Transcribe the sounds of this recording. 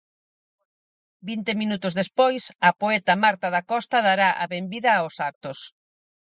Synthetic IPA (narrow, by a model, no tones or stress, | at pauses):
bint̪emĩnut̪ʊzðespojsɐpoɛt̪ɐmaɾt̪aðakɔst̪ɐðaɾaʔa̰βembiðɐosak̚t̪ʊs